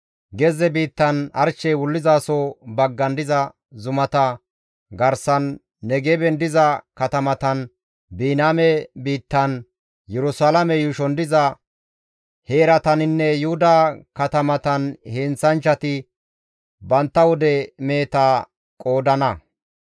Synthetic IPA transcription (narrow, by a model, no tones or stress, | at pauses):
ɡɛzɛbiːt̪ːɐnɐ̰ɾt͡ʃːɛjwʊlːɪzaːsɔbɐɡːɐnd̪ɪzɐ | zʊmɐt̪ɐ | ɡɐɾsɐnː | ɛɡɛbɛnd̪ɪzɐkɐt̪ɐmɐt̪ɐn | biːnaːmɛbiːt̪ːɐn | jɛɾʊsaːlɐmɛjʊʃɔnd̪ɪzɐ | heːɾɐt̪ɐnɪnːɛjʊhʊd̪ɐkɐt̪ɐmɐt̪ɐnheːnt͡sːɐnt͡ʃːɐt̪ɪ | bɐnt̪ːɐwɔd̪ɛmeːt̪aː | kʼo̞ːd̪ɐnɐ